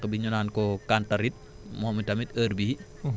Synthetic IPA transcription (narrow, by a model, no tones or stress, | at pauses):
kbiɲunaːnkɔkantɐɾit̚ | mɔːmitɐmitəːɾbi